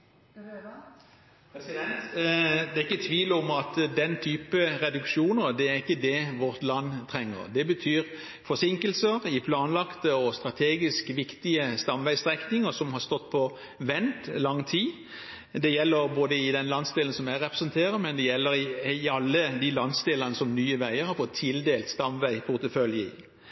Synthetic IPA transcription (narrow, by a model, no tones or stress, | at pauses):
ɛnd̪ɛːæɾɪkːət̪ʰʋiːlɔmɑt̪d̪ɛnt̪ʰyːpəɾɛd̪ʉkʂuːnəʁd̪ɛæɾɪkːəd̪ɛʋɔɾt̪lɑnːt̪ʰɾɛŋːə̰ɾd̪ɛbət̪ʰyːɾ | fɔsɪŋkəlsəɾɪpʰlɑːnlɑkt̪əɔst̪ɾɑt̪ʰeːɡɪskʋɪkt̪ɪəst̪ɑmʋæɪst̪ʁɛknɪŋəsɔmhɑɾst̪ɔt̪ːpʰɔ | ʋɛnt̪lɑŋːt̪ʰiː | d̪ɛjɛlːəɾboːd̪əɪd̪ɛnlɑnsd̪eːlənsɔmæɾɛpɾɛsənt̪ʰeːɾəmɛnd̪ɛjɛlːəɾɪɑlːəd̪ɪlɑnsd̪eːlənəsɔmnyːəʋæɪəɾhɑɾfɔt̪ʰːɪld̪eːlt̪st̪ɑmʋæɪpʰʊʁt̪əfœljəɪ